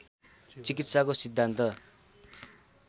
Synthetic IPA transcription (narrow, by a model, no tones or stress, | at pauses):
t͡sikit̪sakosid̪ʱːant̪ʌ